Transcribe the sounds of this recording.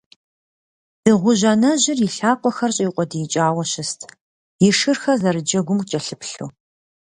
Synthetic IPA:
d̥ɨʁʷʊʑɐnɐʑɪriɬaːqʷɔxɐrɕʼɐjiqʷʼɔdɨjɪt͡ʃʼaːwɐɕɪstʰ | jɪʂɨrxɐzɐɾɨd͡ʒɐɡʷʊmkʼt͡ʃʼɐɬɨpɬṵː

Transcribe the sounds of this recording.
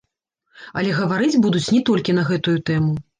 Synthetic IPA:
ɐlʲɛɣɐvaɾɨd͡zʲbud̪ut͡sʲnʲɛt̪ɔlʲkʲinɐɣɛt̪ujut̪ɛmu

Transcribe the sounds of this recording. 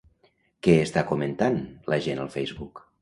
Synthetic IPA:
kɛːst̪akumənt̪anləʒenəlˠfɛjzβuk

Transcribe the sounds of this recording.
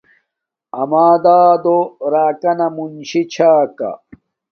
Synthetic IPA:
ɐmaːd̪aːd̪oɾaːkɐnɐmunɕit͡ɕʰaːkɐ̰

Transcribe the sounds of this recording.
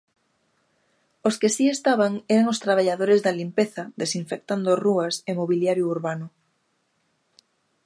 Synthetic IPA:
oskɪsiest̪aβaŋɛɾaŋost̪ɾaβ̞aʎaðoɾezðɐlimpeθɐd̪esiɱfek̚t̪and̪oruɐsemoβiljaɾjouɾβanʊ

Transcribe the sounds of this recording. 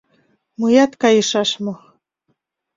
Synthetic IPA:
mujɑt̪kɑjɤ̆ʃɑʃmo

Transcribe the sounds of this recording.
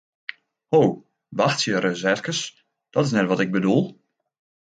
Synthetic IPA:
how | ʋaxtsjəɾəzɛrkəs | d̥ɔtɪsnɛtʋɔtɪɡ̚bədulˠ

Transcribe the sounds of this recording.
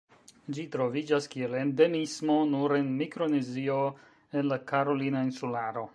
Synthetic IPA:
d͡ʒitɾo̞vid͡ʒaskie̞le̞nde̞mismo̞nuɾe̞nmikɾo̞nezio̞ | enlakaɾo̞linainsulaɾo̞

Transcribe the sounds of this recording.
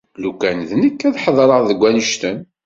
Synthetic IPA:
lukænðnəkːæðħəðˤɾˤəʁðəɡʷːænəʃt̪ən

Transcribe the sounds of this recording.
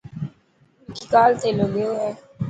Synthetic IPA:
kikaːlt̪eːloɡeoɦɛː

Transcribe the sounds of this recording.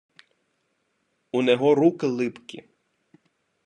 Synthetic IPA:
unɛɦɔɾukɪlˠɪpkʲḭ

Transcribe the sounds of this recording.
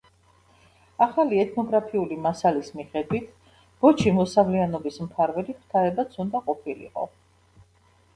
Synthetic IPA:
aχaliɛt̪ʰnɔɡɾapʰiulimasalismiχɛd̪wit̪ʰ | b̥ɔt͡ʃʰimɔsavlɛanɔbismpʰaɾvɛliχʰt̪ʰaɾɛbat̪sʰund̪aqʼɔpʰilḭqʼɔ̰

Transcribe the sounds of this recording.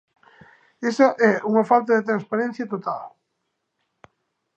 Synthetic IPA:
esɐʔɛuŋɐfalt̪̬ɐðet̪ɾanspaɾɛ̃n̟θjɐt̪ot̪al

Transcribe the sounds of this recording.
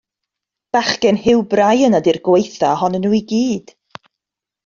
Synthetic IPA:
b̥aχɡɛnhɪwbrajənadirɡwejθahɔnənuːiɡiːd̥

